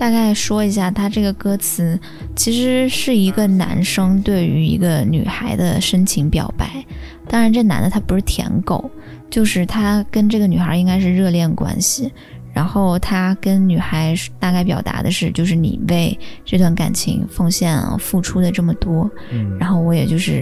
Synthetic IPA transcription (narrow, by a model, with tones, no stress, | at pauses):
t̪a˥˧ka˥˩ɪʂwɔ˥i˧˥ɕ̬ja˥˩t̪ʰa˥ʈ͡ʂɤ˥˩ɡə˩kɤ˥t͡sʰɹ̩˧˥ | t͡ɕʰi˧˥ʂɻ̩˧˥ʂɻ̩˥˩i˧˥ɡə˧na̰˧˥nʂɤ˥ŋt̪we˥˩ɪy̰˧˥ḭ˧˥ɡə˧ny̰˨˩xa˧˥ɪd̪ə̰˧ʂə˥nt͡ɕʰi˧˥ŋpjɑ̰˨˩ʊpa˥˩ɪ | t̪ɑ˥ŋɻa˧˥nʈ͡ʂɤ˥˩na̰˧˥nd̪ə˧t̪ʰa˥pu˧˥ʂɻ̩˥˩t̪ʰjɛ̰˧˥nko˨˩˦ʊ | t͡ɕjo˥˧ʊʂɻ̩˥˩t̪ʰa˥kə˥nʈ͡ʂɤ˥˩ɡə˩ny˨˩xə˞˧˥i˥ŋka˥ɪʂ̬ɻ̩˥˧ɻɤ˥˧ljɛ˥˩nd̪ə˩kwa̰˥nɕi˨˩ | ɻa̰˧˥nxo˥˩ʊt̪ʰa˥kə˥nny˨˩xa˧˥ɪ˥t̪a˥˧ka˥˩ɪp̬jɑ˨˩ʊt̪a̰˧˥d̪ə̰˧ʂɻ̩˥˧t͡ɕjo˥˧ʊʂɻ̩˥˩nḭ˨˩we˥˧ɪʈ͡ʂɤ˥˧t̪wa˥˩nka̰˨˩nt͡ɕʰḭ˧˥ŋfɤ˥˧ŋɕjɛ˥˧n̰fu˥˩ʈ͡ʂʰu˥d̪ə˨ʈ͡ʂɤ˥˩mə˩t̪wɔ˥ | ɻa˧˥nxo˥˩ʊwɔ˥jɛ̰˨˩t͡ɕjo˥˧ʊʂɻ̩˥˩